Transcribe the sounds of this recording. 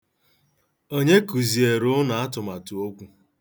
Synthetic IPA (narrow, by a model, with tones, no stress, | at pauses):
o˦ɲe˦ku˨zi˨e˨ɾʊ˦na˨a˦tʊ˨ma˨tu˨o˦kʷu˦